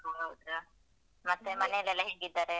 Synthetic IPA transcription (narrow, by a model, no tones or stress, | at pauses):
oɡaut̪ɾa | mɐt̪ːemɐnejɐlːɛlːɐɦeːɡid̪ːaːɾe